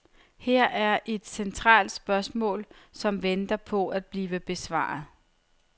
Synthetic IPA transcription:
heɐ̰ʔæɐʔe̝d̥sent͡sʰʁɑ̰̈ːld̥sb̥ɶɐsmɔ̰̽ːlsɒ̽mʋend̥ɐpʰɒ̽æd̥̚b̥liːʋəb̥e̝sʋɑ̰̈ːð̩ˠ

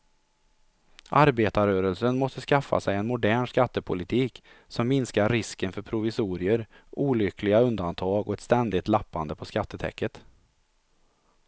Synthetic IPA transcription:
ʔaɾbeːt̪aɾøːɾəlsənmɔst̪əskafːa̰sɛjɛnmʊd̪æːɳʂkat̪ːəpʰʊlɪt̪ʰiːk | sɔmːɪnskaɾːɪskənfœɾpʰɾʊvɪsuːɾɪəɾʔuːlʏkʰlɪɡaɵnd̪ant̪ʰɑːɡɔɛt̪st̪ɛnd̪ɪt̪lapːand̪əpʰɔskat̪ːət̪ʰɛ̰kːət̪

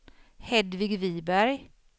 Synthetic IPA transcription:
hɛd̪vɪɡviːbæɾj

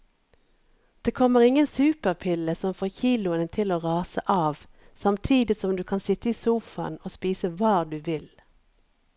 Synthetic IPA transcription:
d̪̥eːkʰɔməʁɪŋənsʉːpəʁpʰɪləsɔmfoːçiːlʊənət̪ʰɪloːʁɑːsə̰ʔɑːʋ | sɑmt̪ʰiːd̪ɪsɔmd̪ʉːkʰɑnsɪt̪əiːsuːfɑ̰noːspiːsəʋɑːd̪ʉːʋɪl

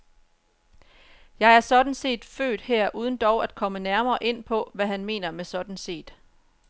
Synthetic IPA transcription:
jɑ̈ɪæɐsɒ̽d̥n̩se̝̰ːd̥fø̰ːd̥heɐ̰ʔuːð̞ˠn̩d̥ɒʊæd̥̚kʰɒ̽mənæɐmɐːʔe̝n̰pʰɒ̽ʋæɦænme̝̰ːnɐmesɒ̽d̥n̩se̝̰ːd̥

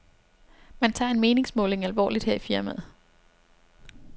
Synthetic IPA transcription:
mænt͡sʰɑ̈ːe̝nme̝ːne̝ŋsmɔ̰̽ːle̝ŋælʋɒ̰ːlid̥heɐ̰ifiɐmæð̩ˠ

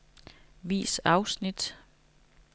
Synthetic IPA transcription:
ʋḭːsɑ̈ʊsnid̥

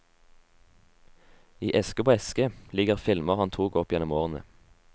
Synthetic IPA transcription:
iːʔɛskəpʰoːɛskəlɪɡəʁfɪlməʁhɑnt̪ʰuːɡɔpjɛnɔmoːʁnə̰

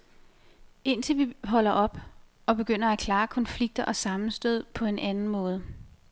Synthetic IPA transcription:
e̝n̰t͡sʰe̝lʋiɦɒ̽l̰ɐʔɒ̽b̥ | ɒ̽b̥e̝ɡ̥øn̰ɐækʰlɑ̈ːkʰɒ̽nfliɡ̥̚d̥ɐʔɒ̽sɑ̈mn̩sd̥øð̞̰ˠpʰɒ̽e̝nʔænn̩mɔ̽ːð̞̩ˠ

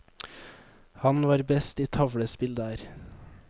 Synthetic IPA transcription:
hɑnʋɑːɾbɛst̪iːt̪ʰɑʋɽəspɪld̪əæːɾ

